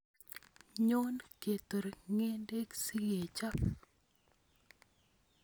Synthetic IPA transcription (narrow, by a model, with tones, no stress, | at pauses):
ɲo˦nke˨t̪o˨ɾŋe˦nde˦ksi˦ɣe˨t͡ʃa˦